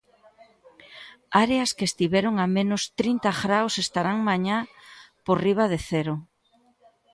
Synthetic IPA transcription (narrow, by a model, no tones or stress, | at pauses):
aɾeaskest̪iβɛɾoŋamẽnʊst̪ɾint̪aɣɾawsest̪aɾaŋmaɲa | poriβ̞aðeθɛɾo